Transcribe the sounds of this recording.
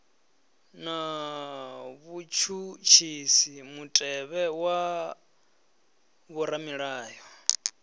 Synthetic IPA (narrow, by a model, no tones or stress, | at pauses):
na | βut͡ʃʰut͡ʃʰisimutʼɛβɛwa | βuɾamiɺaːjɔ